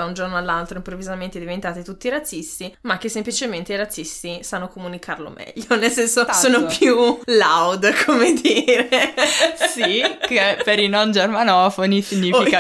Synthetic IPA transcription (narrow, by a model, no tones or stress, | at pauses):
aund͡ʒornoalːalt̪ɾoimpɾovːizament̪ed̪ivent̪aːt̪it̪ut̪ːiɾat̪sːist̪imakːesːemplit͡ʃement̪eiɾat̪sːist̪isanːokomunikarlo̰mɛ̰ʎːonelsɛnsosoːnopjulawd̪kʰomed̪iːɾe | sikepeɾinond͡ʒermanɔːfonisiɲːiːfika